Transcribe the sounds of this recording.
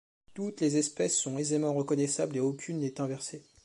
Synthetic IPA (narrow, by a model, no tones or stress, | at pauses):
t̪ut̪lezɛspɛsːɔ̃ezemɑ̃ʁəkɔnɛsableokʲʰynːɛt̪ɛ̃vɛʁse